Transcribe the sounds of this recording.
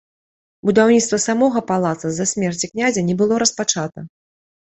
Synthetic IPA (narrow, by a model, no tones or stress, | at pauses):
bud̪awnʲit̪t̪vɐsamɔɣɐpalˠat̪sɐzɐsʲmʲɛrt͡sʲiknʲazʲɐnʲɛbɨlˠɔɾɐspat͡ʂat̪ɐ